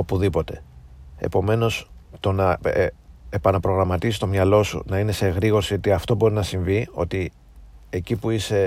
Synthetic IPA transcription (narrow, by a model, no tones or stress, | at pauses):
opuðipo̞t̪e̞ | e̞̰po̞me̞no̞st̪o̞nɐ | e̞pɐnɐpɾo̞ɣɾɐmɐt̪isist̪o̞mɲɐlo̞sṵnɐine̞seɣɾiɣo̞ɾsiot̪iɐft̪o̞bo̞ɾinɐsiɱvio̞̰t̪i | e̞cipuise̞